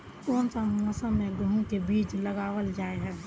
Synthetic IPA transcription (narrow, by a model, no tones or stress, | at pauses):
koːnsaməsəmẽɡũkebiːt͡ʃlɐɡaːʋəld͡ʒaːeɦɛː